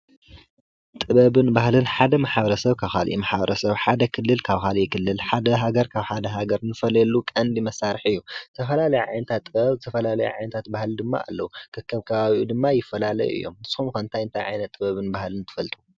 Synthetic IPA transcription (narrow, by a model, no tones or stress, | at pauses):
t̪ʼɨβɐβɨnbahlɨnħad̪ɐmaħabɐɾɐsɐβkʰaβxalʔḭmaħabɐɾʔɐsɐβħad̪ɐkʰɨlːɨlkʰaβkalikʰɨlːɨlħad̪ɐɦaɡɐɾkʰaβħad̪ɐɦaɡɐɾnɨfɐlɐlːukʼɐnd̪imɐsaɾɨħɨjːuɨ̥t̪ʰɐfɐlalɐjuʕa̰jnɐt̪ʰat̪ʼːɨβɐβzɨt̪ʰɐfɐlalɐjṵʕa̰jnɐt̪ʰat̪̚bahld̪ɨmːa̰ʔa̰lːɐwukʰɨkʰːɐβkʰɐβaβiʔud̪ɨmːajɪfːɐlalɐ̰juʔɨ̰jːo̞̰mɨsxumkɐnt̪ʰajɨnt̪ʰajʕa̰jnɐt̪ʼːɨβɐβɨnbahlɨnt̪ʰɨ̥fɐlt̪ʼu̥